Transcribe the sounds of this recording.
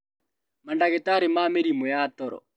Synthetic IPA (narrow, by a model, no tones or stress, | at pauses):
mandaɣetaɾemaːmeɾimojatɔɾɔ̰